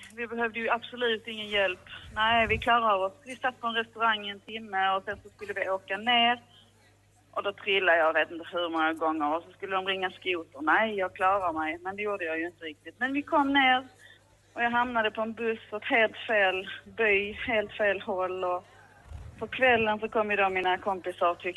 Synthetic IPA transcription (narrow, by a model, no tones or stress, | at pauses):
vɪbɛɦœvd̪əjɵab̥sɔlʉ̟ːt̪ɪŋːənjɛlpnæɪvɪkʰlɑːɾaɔsvɪsat̪̚ːpʰɔɛnɾɛst̪ɵɾaŋːɪɛnt̪ʰɪmːəɔsɛnsɔskɵlːəvɪoːkaneːɾ | ʔɔd̪ɔt̪ʰɾɪlːad̪əjɑːveːt̪ɪnt̪əɦɵɾmɔŋːaɡɔŋːəɾɔsɔskɵlːəd̪ɔmɾɪŋːaskuːt̪əɾnæɪjɑːɡ̚kʰlɑːɾamɛjmɛnd̪ɛjuːɖəjɑːjɵɪnt̪əɾɪk̚t̪ɪt̪mɛnvɪkʰɔmːneːɾ | ʔɔjɑːɡɦamnad̪əpʰɔɛnbɵsɔɛt̪heːlt̪feːlbyːheːlt̪feːlhɔlːɔ | pʰɔkʰvɛlːənsɔkʰɔmːjɪd̪ominakʰɔmpɪsaɾt̪ʰʏ